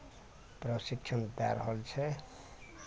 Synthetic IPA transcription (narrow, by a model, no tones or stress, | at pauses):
prʌsikt͡sʰʌnd̪aɾɦʌlt͡sʰe